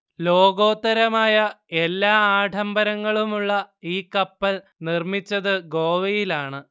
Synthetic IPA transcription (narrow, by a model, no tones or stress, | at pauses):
lo̞ːɡo̞ːt̪ːɐɾɐmaːjɐ | elːaːaːʈʰɐmbɐɾɐŋːɐɭumuɭːɐiːkɐpːɐl | nirmit͡ɕːɐðɨɡo̞ːʋɐjilaːɳɨ